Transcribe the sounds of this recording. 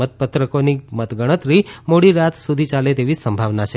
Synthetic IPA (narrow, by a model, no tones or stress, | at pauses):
ət̪̚pət̪ɾəkonimət̪ɡəɽ̃ət̪ɾimoɽiɾat̪ʰsud̪ʱit͡ʃalet̪eʋisəmbʱaʋnat͡ʃʰe